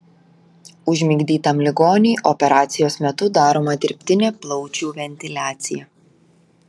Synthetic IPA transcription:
ʊʒʲmʲɪɡd̪ʲiːt̪ɐmlʲɪɡoːnʲiːʔɔpʲɛɾɑːt̪sʲɪjoːsmʲɛt̪ʊd̪ɑːɾoːmɐd̪ʲɪɾʲpʲt̪ʲɪnʲeːplˠɒʊt͡ʃʲuːʋʲɛnʲt̪ʲɪlʲæːt̪sʲɪjɛ

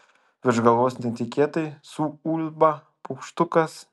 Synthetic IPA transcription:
ʋʲɪɾʒɡɐlˠoːsʲnʲɪet̪ʲɪkʲet̪ɐɪsuulʲbɐ | pukʃt̪ʊkɐs

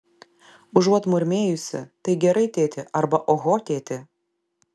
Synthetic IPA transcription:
ʊʒuɔt̪mʊɾʲmʲeːjʊsʲɪ̰t̪ɐɪɡʲɛɾɐɪt̪ʲeːt̪ʲɪʔɐɾbɐʔoːɣoːt̪ʲeːt̪ʲɪ

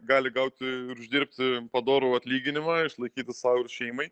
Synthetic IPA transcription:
ɡɑːlʲɪɡɐʊt̪ʲɪɪɾʊʒʲd̪ʲɪɾʲp̚ʲt̪ʲɪpɐd̪oːɾoːɐt̪ʲlʲiːɡʲɪnʲɪmɑːɪʃlˠɐɪkʲiːt̪ʲɪssɑʊɪɾʃʲɛɪmɐɪ

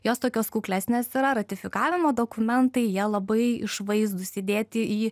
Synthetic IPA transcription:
joːst̪oːkʲoːskuːklʲæːsʲnʲeːsiɾɐɾɐt̪ʲɪfʲɪkɑːʋʲɪmoːd̪oːkʊmʲɛnt̪ɐɪjiɛlˠɐbɐɪɪ̰ʃʋɐɪzd̪ʊsʲɪd̪ʲeːt̪ʲɪiː

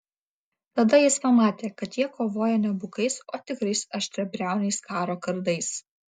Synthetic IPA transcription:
t̪ɐd̪ɐjɪspɐmɑːt̪ʲeːkɐt̪jiɛkoːʋoːjɛnʲɛbʊkɐɪsoːt̪ʲɪkɾɐɪsɐʃʲt̪ʲɾʲɛpʲɾʲæˑʊnʲɛɪskɑːɾoːkɐɾd̪ɐɪs

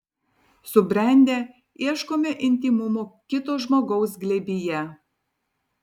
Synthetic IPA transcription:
sʊbʲɾʲɛˑnʲd̪ʲeː | iɛʃkoːmʲɛʔɪnʲt̪ʲimʊmoːkʲɪt̪oːʒmoːɡɔʊs̬ɡlʲɛbʲijɛ

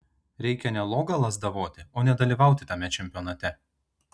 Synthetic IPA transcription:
ɾʲɛɪkʲɛnʲɛlˠoːɡɐlˠɐsd̪ɐʋoːt̪ʲɪoːnʲɛd̪ɐlʲiːˑʋɑˑʊt̪ʲɪt̪ɐmʲɛt͡ʃʲɛmʲpʲɔːnɐt̪ʲɛ

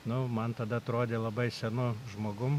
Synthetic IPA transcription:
nʊmɐnt̪ɐd̪ɐɐt̪ɾoːd̪ʲeːlˠɐbɐɪsʲɛnʊʒmoːɡʊm

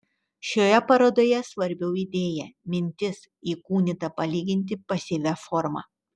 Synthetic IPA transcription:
ʃʲoːjɛpɐɾoːd̪oːjɛsʋɐɾʲbʲɛʊiːd̪ʲeːjɛmʲɪnʲt̪ʲɪs | iːkuːnʲɪt̪ɐpɐlʲiːɡʲɪnʲt̪ʲɪpɐsʲɪʋʲæfɔɾmɑ̰ː

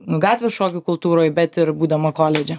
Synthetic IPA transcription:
nʊɡɑːt̪ʲʋʲɛʃoːkʲʊkʊlˠt̪uːɾoːjbʲɛt̪ɪɾbuːd̪ɐmɐkoːlʲɛd͡ʒʲɛ

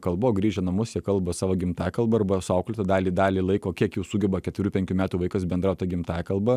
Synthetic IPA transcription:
kɐlˠboːɡɾʲiːʒʲɛnɐmʊsjɛkɐlˠbɐsɑːʋoːɡʲɪmt̪ɑːkɐlˠbɐɐrbɐsʊɐʊklʲɪt̪ɐd̪ɑːlʲiːd̪ɑːlʲiːlˠɐɪkoːkʲiɛkjɛʊsuːɡʲɛbɐkʲɛt̪ʋʲɾʲuːpʲɛŋʲkʲuːmʲæːt̪uːʋɐɪkɐsbʲɛnd̪ɾɑʊt̪ɐɡʲɪmt̪ɑːkɐlˠbɐ

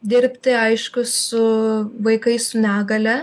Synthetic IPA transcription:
d̪ʲɪɾʲpʲt̪ʲɪɐɪʃkʊsʊʋɐɪkɐɪsʊnʲæːɡɐlʲɛ

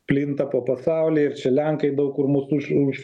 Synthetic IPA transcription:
pʲlʲɪnt̪ɐpoːpɐsɑˑʊlʲiːɪrt͡ʃʲɛlʲæŋkɐɪd̪ɐʊkʊrmʊsʊʃʊʃ

